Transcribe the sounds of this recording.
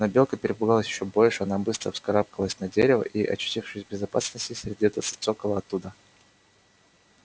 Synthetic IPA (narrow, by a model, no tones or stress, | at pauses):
nɐbʲe̞lˠkəpʲɪɾʲɪpʊɡalˠəsʲjɪɕːobo̞lʲʂɨɐnabɨst̪ɾə̰fskɐɾap̚kəlˠəsʲnɐdʲeɾʲɪvə̰ʔiʔɐ̰ɕʏ̥tʲifʂɨsʲbʲɪzɐpa̰snəsʲtʲɪsʲɾʲɪdʲiɛt̪ət̪sɨ̥t̪sokəvəɐt̪ːud̪ə